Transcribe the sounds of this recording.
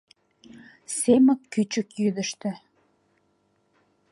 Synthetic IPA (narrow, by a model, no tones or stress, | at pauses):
seməkːyt͡ɕəkjyd̪əʃt̪ĕ